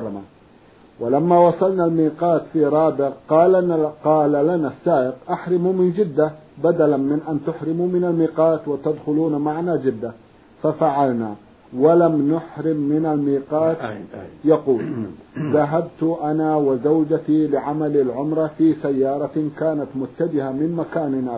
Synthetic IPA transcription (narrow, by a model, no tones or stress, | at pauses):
ɑma | wɪlamːawɑsˤɑlnalmiːqɑːt̪fiɾˤɑːbɪʕqɑːlqɑːlalanasːaːʔɪqʔaħɾɪmumɪnd͡ʒɪd̪ːa | bad̪alanmɪnʔant̪ʊħɾɪmumɪnalmiːqɑːt̪wat̪ad̪xʊluːnmaʕnad͡ʒɪd̪ːa | fafaʕalna | walamnʊħɾɪmːɪnalmiːqɑːt̪jɑquːlðaɦabt̪ʊʔanawɪzawd͡ʒat̪ilɪʕamalalʕʊmɾˤɑfiːsajːɑːɾˤɑkaːnat̪mʊt̪ːad͡ʒɪhamɪnmakaːnɪna